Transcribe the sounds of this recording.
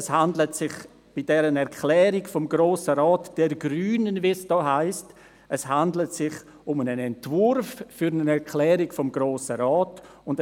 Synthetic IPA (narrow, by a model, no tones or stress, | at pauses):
shandlətsɪχ | b̥idɛɾənɛɾkʰlɛːɾiɡfɔmɡɾoːsəɾɔːtd̥ɛɾɡɾyːnənvisd̥ɔːɦaɪst | ɛshandlətsɪχ | ʊmənənɛntvʊɾffyɾnənɛɾkʰlɛːɾiɡfɔmɡɾoːsəɾɔːtʊnd